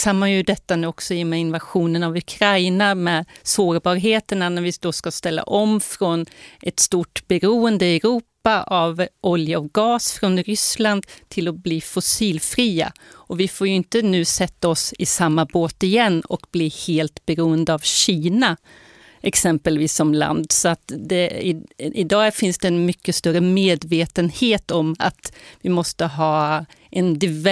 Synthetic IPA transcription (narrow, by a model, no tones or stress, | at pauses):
samːajɵd̪ɛt̪ːanʉɔksɔɪːɔmɛɪnvaɧuːnənavɵkʰɾajnamɛːd̪soːɾbɑːɾɦeːt̪əɳanæɾvɪd̪̥oskast̪ɛlːa̰ʔɔmfɾɔnɛt̪st̪uʈbɛɾuːənd̪əɛɾuːpaʔavʔɔljaɔɡɑːsfɾɔnɾʏsland̪t̪ʰɪlɔbliːfɔsiːlfɾiːa̰ɔvɪfoːɾjɵɪnt̪ənʉ̟ːsɛt̪ːaɔsɪsamːaboːt̪ɪjɛnːɔ̰kbliːheːlt̪bɛɾuːənd̪əavɕiːna | ʔɛksɛmpəlviːsːɔmla̰nd̪sɔat̪d̪ɛɪɪd̪ɑːfɪnsd̪ɛːnmʏkːəst̪œɾəmeːd̪veːt̪ənheːt̪ɔma̰t̪vɪmɔst̪əɦɑːʔɛnd̪ɪv